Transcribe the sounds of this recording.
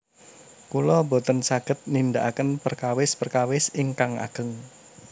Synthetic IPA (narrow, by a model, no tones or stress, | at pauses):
kulɔbot̪ənsaɡ̥ə̤t̪̚nind̪aʔakənpərkawɪspərkawɪsɪŋkaŋa̰ɡ̥ə̤ŋ